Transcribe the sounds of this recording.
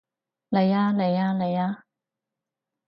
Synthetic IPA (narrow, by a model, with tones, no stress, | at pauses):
le˨˧jaː˧le˨˧jaː˧le˨˧jaː˧